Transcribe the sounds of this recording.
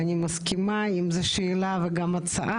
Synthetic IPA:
anʲimɐskʲimaimzɛʃeːlaveɡamat͡sɐ̰ʔa

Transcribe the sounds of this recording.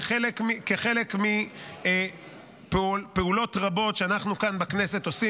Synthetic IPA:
χelekmikeχe̞lekmi | plpeulo̞tʁabo̞tʃeanaχnukanbekne̞set̪o̞si

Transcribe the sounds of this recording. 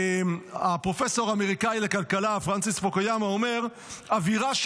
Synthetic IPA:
apʁo̞feso̞ʁameʁikajlekalkalafʁant͡sisfokajamaomeʁ | aviʁaʃ

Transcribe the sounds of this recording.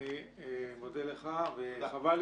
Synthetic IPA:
i | mod̪eleχaveχaval

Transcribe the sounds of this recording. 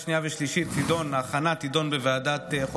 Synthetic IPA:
ʃnijaveʃliʃit̪ːid̪onaχanat̪id̪o̞nbevead̪at̪eχ

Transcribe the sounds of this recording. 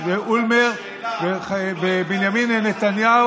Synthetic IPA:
veʔulmeʁ | vevebinjaminenet̪anja

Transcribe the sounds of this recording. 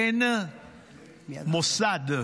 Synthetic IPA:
ɛnə | mosad

